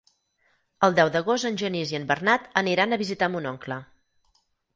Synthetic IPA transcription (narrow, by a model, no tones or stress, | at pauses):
əlˠd̪ɛwd̪əɣ̞osənʲʒəniziəmbərnat̪əniɾanəβizit̪amunɔŋklə